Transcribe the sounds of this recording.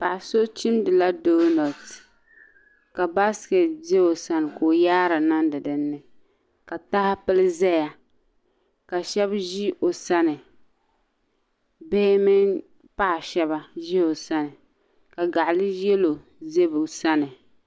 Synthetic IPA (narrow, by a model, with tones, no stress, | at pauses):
pa˨ʔso˦t͡ʃi˦mdɨ˨la˦do˦nɔ˨t | ka˨ba˦skɛ˨tze˦o˨sa˦n˨ko˨jaː˦ɾa˨na˦ndɨ˨dɨ˨nːɨ˦ | ka˨ta˦ha˦pɨ˦lɨ˦zɛ˦ja˨ | ka˨ʃɛ˦bʒi˦o˨sa˦nɨ˨ | bɛː˦mɪ˦n | pa˦ʔʃɛ˦ba˦ʒi˦o˨sa˦nɨ˨ | ka˨ɡa˨ʔlɨ˦jɛ˦lo˨ | ze˦bʊ˨sa˦nɨ˨